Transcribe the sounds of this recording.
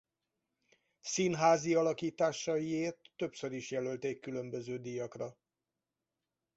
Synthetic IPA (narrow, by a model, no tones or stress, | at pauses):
sinɦaːziɒlɒkiːt̪aːʃɒjieːrt̪ːø̞psø̞ɾiʃjɛlølt̪eːkːylø̞mbø̞zøːd̪ijɒkrɒ